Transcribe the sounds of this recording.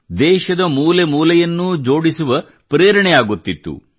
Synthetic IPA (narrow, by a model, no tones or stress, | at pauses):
d̪ɛːʃɐd̪ɐmuːlemuːlɐjɐnːud͡ʒo̞ːɽisuʋɐ | pɾeːɾɐɳɛjaːɡut̪ːit̪ːṵ